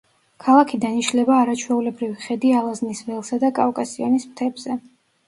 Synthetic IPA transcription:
kʰalˠakʰid̪aniʃlɛbaːɾat͡ʃʰwɛulɛbɾiviχɛd̪ialˠaznisvɛlˠsad̪akʼafkʼasiɔnispt̪ʰɛbz̥ɛ

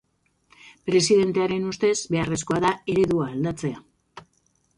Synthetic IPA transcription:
pɾe̞siðe̞nt̪e̞aɾe̞nust̪e̞zbe̞are̞sko̞aðae̞ɾe̞ðuaːld̪at͡se̞a

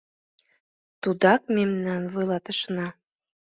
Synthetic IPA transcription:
t̪ud̪ɑk̚memnɑnvojlˠɑt̪ə̆ʃnɑ

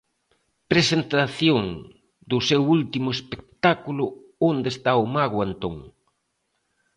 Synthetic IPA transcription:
pɾesent̪aθjoŋ | d̪ʊsewult̪imʊespek̚t̪akulʊ | ond̪est̪aʊmaɣʊant̪oŋ

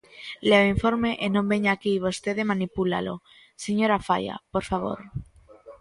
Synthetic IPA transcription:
leoiɱfo̞ɾmeʔenõmbe̞ɲaːkiβ̞ost̪eðemanipula̰lo | seɲoɾafa̰ja̰poɾfaβ̞o̞̰ɾ

